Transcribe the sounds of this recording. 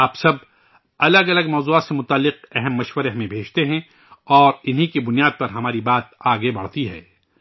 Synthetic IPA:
aːpsɐb̚ | ɐləɡɐləɡmɔːzuːaːt̪semʊt̪aːlːɪqɛɦɛmːɐʃwəɾeɦɐmẽbʱeːt͡ʃt̪eɦɛ̃ | ɔːɾɪnɦikibʊnijaːd̪̚pɐɾɦɐmaːɾibaːt̪̚aːɡebɐɽ̤t̪iɦɛ̰ː

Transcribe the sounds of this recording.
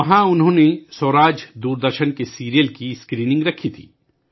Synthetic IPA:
ɐɦãʊnɦõːnesoːɾaːd͡ʒd̪uːɾd̪əɾʃənkesiːɾijəlkiɪskɾiːnɪ̃ŋɡɾɐkʰːit̪ʰḭː

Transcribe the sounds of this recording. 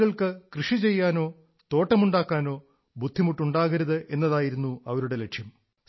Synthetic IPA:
ɣɐɭkɨkrɨʂit͡ɕe̞jːaːno̞ː | t̪o̞ːʈːɐmuɳɖaːkːaːno̞ː | bud̪ʱːimuʈːuɳɖaːɣɐɾɐðɨʔe̞nːɐðaːjiɾunːuɐʋɐɾuɽe̞le̞ʈʂjɐm

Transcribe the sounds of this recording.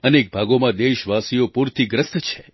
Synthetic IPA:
əneːk̚bʱaɡomãd̪eʃʋasijopuɾt̪iɡɾəst̪t͡ʃʰe̥

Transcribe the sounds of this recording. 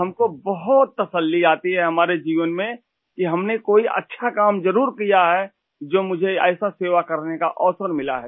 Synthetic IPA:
ɦɐmkobɐɦʊt̪ːɐsəlːiaːt̪iɦɛɦɐmaːɾed͡ʒiːʋənmẽ | kiɦɐmnekoːiʔɐ̰tːʃʰakaːmd͡ʒɐɾuːɾkijaɦɛ | d͡ʒoːmʊd͡ʒʱeɛːsaseːʋakɐɾneka̰ʔɔːsəɾmɪla̰ɦɛː

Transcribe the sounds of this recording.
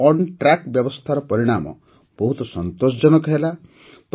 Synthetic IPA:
ɔɳʈɾakbjɔbɔst̪ʰaɾɔpɔɾiɽ̃amɔ̰ | b̥ɔɦut̪ɔsɔnt̪osd͡ʒɔnɔkɔɦela | p

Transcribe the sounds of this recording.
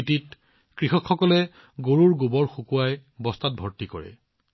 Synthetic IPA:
tit | kɹixɔkxɔkɔlɛ | ɡoɹuɹɡubɔɹxukuajbɔstat̚bʱɔɹtikɔ̰ɹɛ̰

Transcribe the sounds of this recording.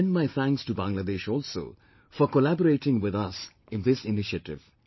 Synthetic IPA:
nmaɪθʰæ̃ŋkstubãŋlad̪eːʃɔlso̰ː | fɔkolæbɔɾeːʈɪ̃ŋwɪðʌs | ɪ̃nðɪsɪnɪʃəʈɪ̰v

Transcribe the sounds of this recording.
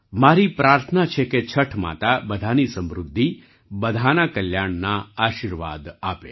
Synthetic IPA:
maːɾipɾaːɾt̪ʰənat͡ʃʰeket͡ʃʰəʈʰma̰t̪abəd̪ʱanisə̃mɾʊd̪ʱːi | bəd̪ʱanakəljaɳnaaːʃiɾʋa̰d̪aːpḛ

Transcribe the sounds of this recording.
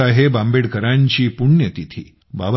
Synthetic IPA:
aɦebambeɽkəɾãɲt͡ɕiːpuɳjət̪it̪ʰḭː | ba̰ʋ

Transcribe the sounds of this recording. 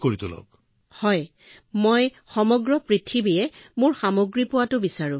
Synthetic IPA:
koɹit̪ʊlɔ̰k | hɔj | moj | xɔmɔɡɹɔpɹitʰːibijɛmʊɹxamoɡɹipʊwatʊbisaɹʊ̃

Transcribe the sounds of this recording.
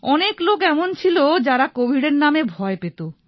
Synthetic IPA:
ɔneklokɛmont͡ɕʰilod͡ʑaɾakobʱiɖeɾnamebʱɔepet̪o

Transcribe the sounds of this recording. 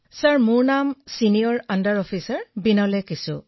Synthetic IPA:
saɹmʊɹnamsinijɔɹandaɹɔpʰisaɹbinalɛkisʊ̰

